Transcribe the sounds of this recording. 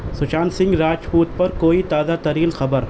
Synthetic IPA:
sʊt͡ʃaːnsɪ̃ŋɡɾaːt͡ʃpuːt̪̚pɐɾkoːit̪aːzat̪ɐɾiːlxɐbəɾ

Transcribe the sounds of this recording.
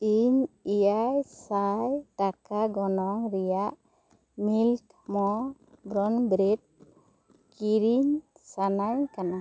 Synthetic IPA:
iɲijajsajʈakaɡɔnɔŋɾɛjaʔ | milk | mɔ | bɾɔnbɾit̚ | kiɾiɲ | sanaɲkana

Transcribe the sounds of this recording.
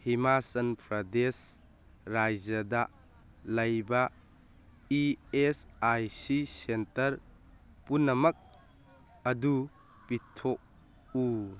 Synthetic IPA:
himasɐnpʰɾɐdes | ɾajd͡ʒɐdɐ | lɐjbɐ | iesajsisentɐɾ | punːɐmɐk̚ | ɐdu | pitʰːok̚ | u

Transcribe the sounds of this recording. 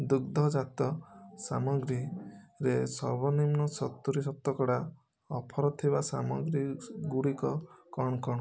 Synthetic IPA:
d̪uɡ̚d̪ʱɔd͡ʒat̪ɔsamɔɡɾiɾesɔɾbɔnimnɔsɔt̪ːuɾisɔt̪ːɔkɔɽa | ɔpʰɔɾɔt̪ʰiβasamɔɡɾiɡuɽikɔkɔɳ̃ɔkɔɽ

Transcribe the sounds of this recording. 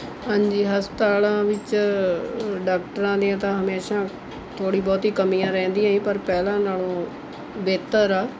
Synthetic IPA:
ɦãːɲd͡ʒiːɦəst̪aːlãːʋɪt͡ʃ | ɖaːk̚ʈəɾãːd̪iãːt̪ãːɦəmeːʃãː | t̪ʰoːɽiːbɔːt̪iːkəmijãːɾɛ̃ːnd̪ijãːĩːpəɾpɛːlãːnaːlõː | beːt̪əɾaː

